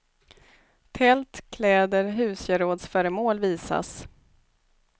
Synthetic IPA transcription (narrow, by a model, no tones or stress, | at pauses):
t̪ʰɛlt̪kʰlɛːd̪əɾɦʉ̟ːsjœɾoːd̪sfœːɾəmoːlviːsa̰s